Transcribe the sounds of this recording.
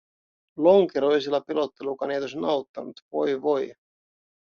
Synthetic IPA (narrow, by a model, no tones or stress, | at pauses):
lo̞ŋkeɾo̞jsilːɑpilo̞t̪ːe̞lukɑnejt̪osnɑwt̪ːɑnut̪vo̞jʋo̞j